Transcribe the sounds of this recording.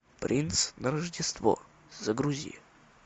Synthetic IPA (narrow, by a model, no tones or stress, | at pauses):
pɾʲʔinsnəɾəʐdʲɪst̪vo̰ | zəɡɾuzʲḭj